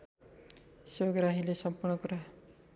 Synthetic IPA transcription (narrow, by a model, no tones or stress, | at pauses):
seɡɾaɦilesɔmpuɾɳɔkɔɾa